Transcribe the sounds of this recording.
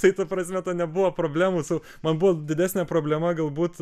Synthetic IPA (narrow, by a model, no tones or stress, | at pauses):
t̪ɐɪt̪ɐpɾɐsʲmʲɛt̪ɐnʲɛbuʋɐpɾoːbʲlʲæːmuːsɐʊ | mɐnbuʋɐd̪ʲɪdʲæːsʲnʲɛpɾoːbʲlʲɛmɐɡɐlˠbuːt̪